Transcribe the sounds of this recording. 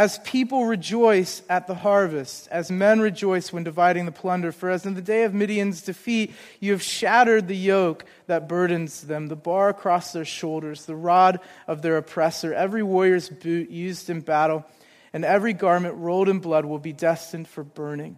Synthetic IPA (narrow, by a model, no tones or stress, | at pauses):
ɨz̥pʰipl̩ˠɹid͡ʒɔɪsɨt̪̚ðəhɑɹvɨstɨzmɛ̃nɹid͡ʒɔɪswɨ̃ndɨvaɪɾɪ̃ŋðəpʰl̥ʌ̃ndə˞fə˞ɨzɨ̃n̩ðɨdeɪʌvmɪɾiɨ̃nzdɨfit͡ʃ | ɨːv̥ʃæɾə˞d̪̚ðɨjoʊk | ðɨt̚b̥ɜ˞dⁿn̩zðɨ̃mðəbɑɹɨkʰɹ̥ɔsðə˞ʃoʊlˠdə˞zðəɹɑɾʌvðə˞ɨpʰɹ̥ɛsə˞ʔɛvɹiwɔɹjə˞zbʉʔjʉzdɨ̃nbæɾl̩ˠ | ɨ̃nɛvɹiɡɑɹmɨ̃nʔɹoʊlˠɾɨ̃nblʌd̚wəlˠbidɛstɨ̃nd̥fə˞bɜ̃˞nɪ̃ŋ